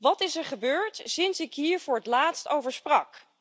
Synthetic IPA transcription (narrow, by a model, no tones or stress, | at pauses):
ʋɑtɪsɛɹχəbøːɹtsɪnsɪkɦiːɹvʊːɹɦətlaːtstowvəɹsprɑk